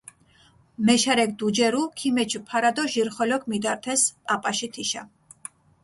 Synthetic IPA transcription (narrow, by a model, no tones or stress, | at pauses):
mɛʃaɾɛk̚ʰʼd̪ud͡ʒɛɾukʰimɛt͡ʃʰpʰaɾad̪ɔʒiɾχɔlɔkʰmid̪aɾt̪ʰɛspʼapʼaʃit̪ʰiʃa